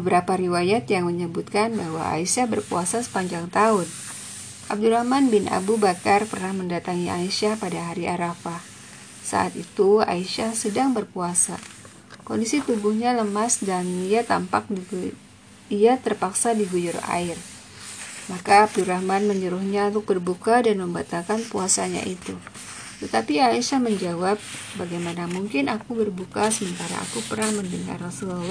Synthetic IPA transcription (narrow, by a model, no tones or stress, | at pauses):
bbəbəɾapaɾiwajat̪jaŋməɲəbut̪̚kanbaɦwa̰a̰isahbərkuasasə̥paɲd͡ʒaŋt̪aʊn | ʔab̚duɾahmanbɪnʔa̰bubakarpərnahməndat̪aŋiʔa̰iʃahpadaɦaɾiʔaɾafah | sa̰ʔa̰t̪it̪ua̰iʃahsədaŋbərkuasa | kondisit̪ubuhɲaləmasdaniat̪a̰mpa̰k̚di | iat̪ərpaksadiɡujʊra̰ɪr | makabduɾahmanməɲd͡ʒəɾʊhɲaunt̪ʊk̚bərbukadanməmbat̪alkanpuasaɲa̰ʔit̪u | t̪ət̪apiaiʃahməɲd͡ʒawap̚baɡajmanamuŋkɪnʔakubərbukasəmənt̪aɾa̰a̰kupərnaŋməndəŋa̰rasulal